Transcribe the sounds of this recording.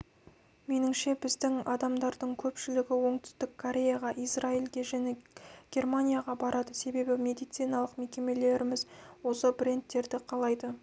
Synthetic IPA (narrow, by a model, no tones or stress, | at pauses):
me̞nɪŋʃe̞bɪzd̪ɪŋɑd̪ɑmd̪ɑɾd̪əɴkʲʰɵpʃɪlɪɡʲɪwo̞ɴt̪ʏ̥st̪ɪkʰːoɾʲe̞jaʁɑʔijsrailɡʲe̞ʒæne̞ɡ̥ʲe̞rmanʲijaʁɑbɑɾʔɑd̪əse̞be̞bɪmʲe̞d̪ijt̪sijnɑlˠəqme̞kʲe̞me̞le̞ɾɪmɪzwo̞səbrʲe̞nt̪ːe̞ɾd̪ɪqʰɑlˠɑjd̪ə